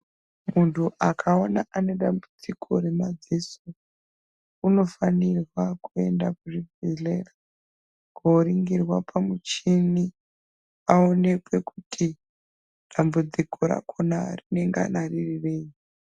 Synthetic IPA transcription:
muntʰuʔakʰaonaʔane̞ɗambud͡zikʰo̞ɾe̞mad͡zesu | uno̞fanirwakue̞ndakuʐiɡʱilera | koɾiŋɡirwapʰamut͡ʃini | aone̞kwe̞kutʰi | ɗambud͡zikʰo̞ɾa̰kʰonarine̞ŋɡea̰naririre̞ːi

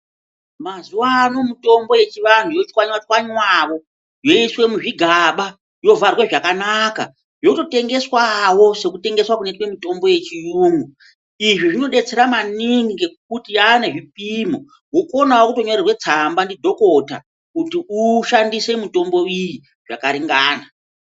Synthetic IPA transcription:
mazuwaːno̞muto̞mbo̞je̞t͡ʃiʋan̤ujot͡ʃkwaɲwat͡ʃwaɲwaʋo̞ | jo̞iswe̞muʐiɡʱaɓa | jo̞varweʐakanaka̰ | joto̞te̞ŋɡe̞swawo̞se̞kute̞ŋɡe̞swakunetwe̞mito̞mbo̞je̞t͡ʃijuːŋɡu | iʐiʐino̞ɗe̞t͡se̞ɾamaniŋɡiŋɡek̚utijaneʐip̚imo̞ | woko̞nawokutoɲo̞rerwe̞t͡sambandidʱo̞kota̰ | kutiuʃandise̞mito̞mbo̞iji | ʐ̥a̰kaɾiŋɡaːna

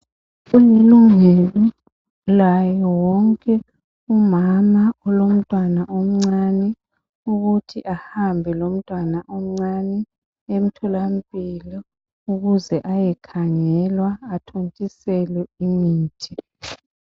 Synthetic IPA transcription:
uleluŋelɔ | lajɔwɔŋkʼɛ | umamaɔlom̩tʼwanaʔom̩ŋ͡ǀanɛ | uɣutʰiʔahambʱɛlom̩tʼwanaʔom̩ŋ͡ǀanɛ | em̩tʰɔlam̩pʼilɔ | uɣuzɛʔajɛkʰaŋɛlwaːtʰontʼisɛlɛimiːtʰʼi

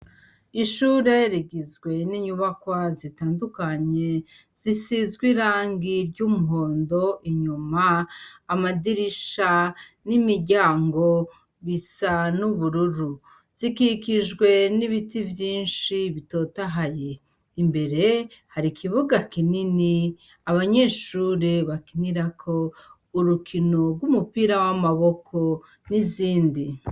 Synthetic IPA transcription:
iʃuːɾe̞ɾiɡizɡwe̞niɲuβakwazitaːndukaɲe̞ | z̥isizɡwiɾaːŋɡiɾɟumuɦo̞ːndo̞ʔiɲumaːmadiɾiʃa | nimiɾɟaːŋɡo̞ | βisanuβuɾuɾu | z̥ikikiʒɡwe̞niβitivjiːnʃiβito̞ːtaɦaje̞ | imbe̞ɾe̞haɾikʰiβuɡakinini | aβaɲe̞ːʃuːɾeβakiniɾakʰo̞ | uɾukʰino̞ɡɡwumupiɾawamaβo̞kʰo̞ | niziːndi

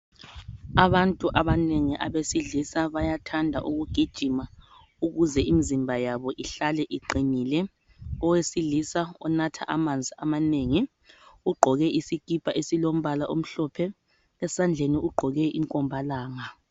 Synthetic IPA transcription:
aβantʼuʔaβaneŋiʔaβesiɮisaβajatʰandʱa̰ʔuɣuɡ̥ʱid̥ʒ̥ʱima | uɣuzɛimizimbʱajaβɔʔiɬalɛʔiǃiɲiːlɛ | ɔwesiɮisaɔnatʰa̰ʔamand͡zʱiʔamaneːŋi | uɡ͡ǃʱɔɣɛʔisikʼipʰʼaʔesilom̩βalaʔom̩ɬɔpʰɛ | lɛsand͡ɮʱeniuɡ͡ǃʱɔɣɛiŋkʼɔmbʱalaːŋa

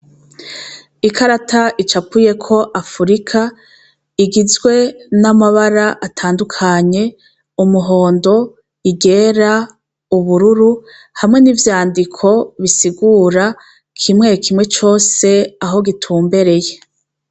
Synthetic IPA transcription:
ikʰaɾatʰaʔit͡ʃapuje̞kʰo̞ʔafuɾikʰa | iɡizɡwe̞namaβaɾaʔatʰaːndukʰaɲe̞ | umuɦo̞ːndo̞ | iɡe̞ːɾa | uβuɾuɾu | hamŋe̞nivjaːndikʰo̞βisiɡuːɾa | kʰimŋe̞kʰimŋe̞t͡ʃo̞ːse̞aɦo̞ɡitʰuːmbe̞ɾe̞je̞

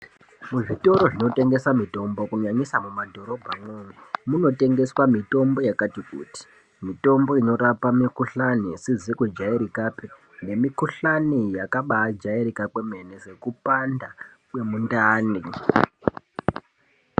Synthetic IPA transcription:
muʐito̞ɾo̞ʐino̞te̞ŋɡe̞samito̞mbo̞kuɲaɲisamumadʱo̞ɾo̞bʱamwomemuno̞te̞ŋɡe̞swamito̞mbo̞jakatikṵːti̥ | mito̞mbo̞ino̞ɾapamikuɬanisizikwed͡ʒaiɾikape | ne̞mikuɬanijakaɓaːd͡ʒaiɾikakweme̞nese̞kupanda | kwe̞mundaːni

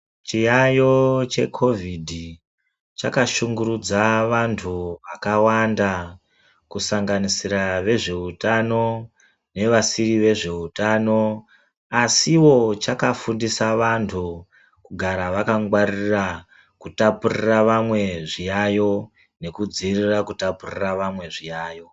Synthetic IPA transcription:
t͡ʃijajo̞t͡ʃe̞kʰo̞vidʱi | t͡ʃakaʃuŋɡuɾud͡zaʋantʰuʋakawanda | kusaŋɡanisiɾaʋe̞ʐe̞utano̞ | ne̞ʋasiriʋe̞ʐe̞utano̞ | asiwo̞t͡ʃakafundisaʋantʰu | kuɡʱaɾaʋakaŋɡwarira | kutapuriraʋamwe̞ʐijajo̞ | ne̞kud͡zirirakutapuriraʋamwe̞ʐijaːjo̞

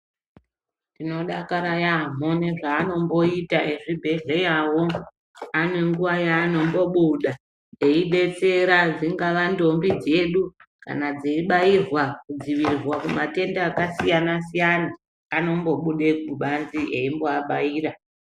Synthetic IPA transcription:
ndino̞ɗakaɾajam̤o̞neʐaːno̞mbo̞itaʔe̞ʐibʱe̞ɮe̞jawo̞ | ane̞ŋɡuʋajaːno̞mbo̞ɓuɗa | e̞iɓe̞t͡se̞ɾad͡ziŋɡaʋando̞mbid͡ze̞ɗuka̰nad͡zeiɓairwakud͡ziʋirwakumate̞ndaːkasijanasijanaː | no̞mbo̞ɓuɗek̚uɓanziʔeimboaɓaiːra

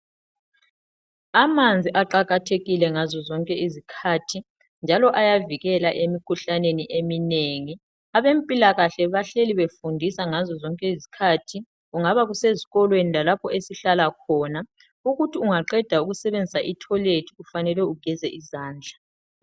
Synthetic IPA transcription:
amand͡zʱiʔaǃaɣatʰeɣilɛŋazɔzɔŋkʼɛizikʰatʰi | nd͡ʒʱalɔʔajaviɣɛlaʔemikʰuɬaneniʔemineŋi | aβempʼilaɣaɬɛβaɬeliβefundʱisaŋazɔzɔŋkʼɛizi̥kʰatʰi | ɣuŋaβaɣuseziɣɔlwenilalapʰɔesiɬalakʰɔːna | uɣutʰiuŋaǃɛd̥ʱauɣusɛβend͡zʱisaʔitʰɔledʰʱiufanɛlwɛuɡ̥ʱɛzɛʔizaːnd͡ɮʱa

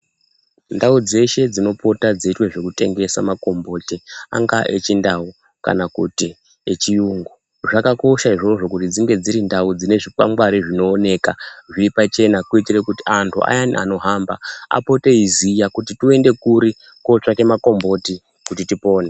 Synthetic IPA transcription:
ndaud͡ze̞ʃe̞d͡zino̞po̞tad͡zeitwe̞ʐe̞kute̞ŋɡe̞sa̰mako̞mbo̞tia̰ŋɡaʔet͡ʃindau | ka̰nakuti | et͡ʃijuŋɡu | ʐakako̞ʃaiʐo̞ʐo̞kutid͡ziŋɡe̞d͡ziɾindaud͡zine̞ʐikwa̰ŋɡwaɾiʐino̞ːne̞ːkaʐiipat͡ʃe̞nakuitire̞kuti̥antʰua̰jania̰no̞ɦaːmbaa̰po̞te̞izijakutitue̞nde̞kuɾi | ko̞t͡ʂake̞mako̞mbo̞ti | kutitipo̞ːne̞

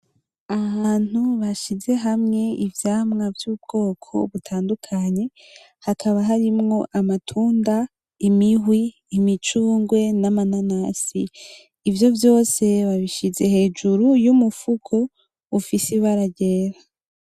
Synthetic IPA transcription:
aaːn̥uβaʃize̞ɦamŋe̞ivjaːmŋavjub̚ɡ̥o̞ːkʰo̞̰βutʰaːndukʰaɲe̞ | hakʰaβaɦaɾimŋo̞ʔamatʰuːnda | imiɦwiː | mit͡ʃuːŋɡwe̞namananasḭː | vjo̞vjo̞ːse̞βaβiʃize̞he̞ːd͡ʒuɾujumufukʰo̞ | ufisiβaɾaɟe̞ːɾa

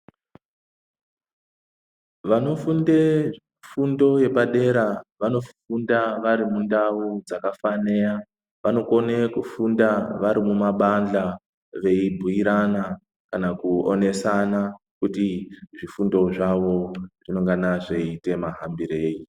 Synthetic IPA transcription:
ʋano̞funde | fundo̞je̞paɗe̞ɾaʋano̞fundaʋaɾimundaud͡zakafane̞ja | ʋano̞ko̞ne̞kufundaʋaɾimumaɓand͡ɮa | ʋe̞ibʱujiɾana | kanakuone̞sana | kutiʐifundo̞ʐaʋo̞ʐ̥ino̞ŋɡanaʐe̞ite̞maɦambiɾe̞ːji

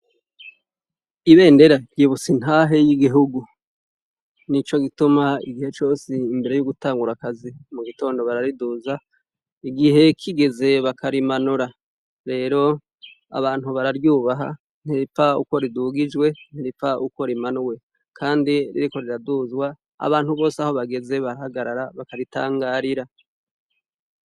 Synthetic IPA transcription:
iβe̞ːnde̞ɾajiβusin̥haːɦe̞jiɡiɦuɡu | nit͡ʃo̞ɡitumaḭɡihe̞t͡ʃo̞ːsiːmbe̞ɾe̞juɡutaːŋɡuɾakazimuɡito̞ːndo̞βaɾaɾiduːza | iɡiɦe̞kʰiɡe̞ze̞βakʰaɾimanuɾa | ɾe̞ːɾo̞ | a̰βaːn̥huβaɾaɾjuːβaɦa̰ | n̥heipfaṵko̞ɾiduɡid͡ʒɡwe̞n̥iɾipaʔuko̞ɾimanuwe̞ | kʰaːndiɾḭɾiko̞ɾiɾaduːzwa | a̰βaːn̥huβo̞ːsaho̞βaɡe̞ze̞βaɾahaɡaɾaɾaβakaɾita̰ːŋɡaːɾiɾa

